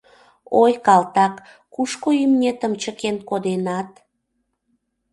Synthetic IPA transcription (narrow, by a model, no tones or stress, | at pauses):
ojkɑlt̪ɑkː | uʃkoymnʲet̪əmt͡ɕəkenkod̪enɑt̪